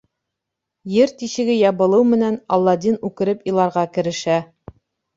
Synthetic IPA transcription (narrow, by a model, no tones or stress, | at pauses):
jɘɾt̪iɕɘ̆ɡɘjɑβɤ̆lˠɤwmɘ̆nænɑ̰lˠːɑd̪inʉkɘ̆ɾɘpilˠɑɾʁɑkɘ̆ɾɘ̆ʃæ